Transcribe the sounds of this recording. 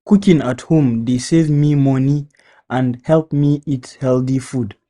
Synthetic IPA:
kukĩnathũmdesevmimʌ̃ni | ʔə̃ndhɛlˠpmiitshɛlˠθifud

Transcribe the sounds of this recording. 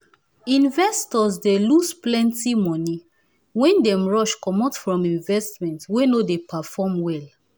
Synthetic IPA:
ĩnvɛstɔzdelusplɛ̃ntimɔni | wɛ̃ndɛ̃mɹɔʃkɔmɔtfɹɔ̃mĩnvɛstmɛ̃ntwenodepafɔmwɛl

